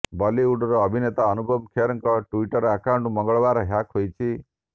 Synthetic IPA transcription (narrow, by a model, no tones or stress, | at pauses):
bɔliuɖɔɾɔːbʱinet̪aɔnubʱɔbkʰeɾɔŋkɔʈuiʈɔɾɔakawɳʈmɔŋɡɔɭbaɾɔɦjakɦojt͡ʃʰi